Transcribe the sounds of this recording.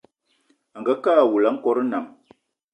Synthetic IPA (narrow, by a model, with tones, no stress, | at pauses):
a˨ŋɡa˦kaː˦˨wu˨la˨˦ŋ̩˦kɔ˨˦ɾə˦na˨m